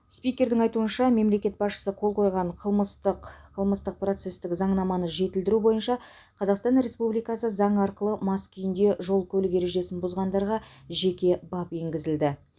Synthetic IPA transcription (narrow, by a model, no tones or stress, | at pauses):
spijkʲe̞ɾd̪ɪŋɑjt̪uənʃɑme̞mle̞kʲe̞t̪̚bɑsʃə̥səqʰo̞lˠqʰo̞jʁɑɴqʰəlˠməst̪əqqʰəlˠməst̪əq̚pro̞t̪se̞st̪ɪkzɑɴnɑmɑnəʒe̞t̪ɪld̪ɪɾubo̞jənʃɑ | qʰɑzɑqst̪ɑnɾe̞spublijkɑsəzɑɴɑɾqəlˠəmɑskʲʰʏjɪnd̪e̞ʒo̞lˠkʲʰɵlɪkʲe̞ɾe̞ʒe̞sɪnbʊzʁɑnd̪ɑɾʁɑʒe̞kʲe̞bɑpe̞ŋɡʲɪzɪld̪ɪ